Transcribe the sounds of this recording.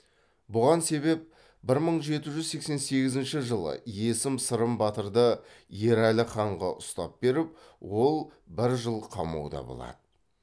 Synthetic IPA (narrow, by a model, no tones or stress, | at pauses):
bʊʁɑnse̞βe̞p̚ | bɪɾməɴʒe̞t̪ɪʒʏzse̞kse̞nse̞ɡʲɪzɪnʃɪʒəlˠə̰je̞sɪmsəɾəmbɑt̪əɾd̪ə | je̞ɾælɪχɑɴʁɑ̰ʔʊst̪ɑp̚be̞ɾɪp | wo̞lˠbɪɾʒəlˠqʰɑmɑ̰wd̪ɑ̰bo̰lˠɑ̰d̪̥ə